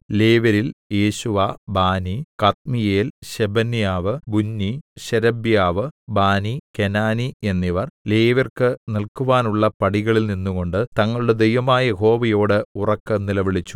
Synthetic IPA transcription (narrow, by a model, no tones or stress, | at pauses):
le̞ːʋɐɾilje̞ːɕuʋabaːnikɐt̪̚mijeːlɕebɐnjaːʋɨbunːiɕeɾɐbjaːʋɨbaːnikenaːnie̞nːiʋɐrle̞ːʋɐrkɨnilkuʋaːnuɭːɐpɐɽiɣɐɭilninːuɣo̞ɳɖɨt̪ɐŋːɐɭuɽe̞d̪ejʋɐmaːjɐho̞ːʋɐjo̞ːɽɨurɐkːɨnilɐʋiɭit͡ɕːu̥